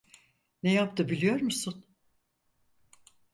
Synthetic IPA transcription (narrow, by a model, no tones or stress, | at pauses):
nejap̚t̪ʰɯbilʲijo̞ɾmusun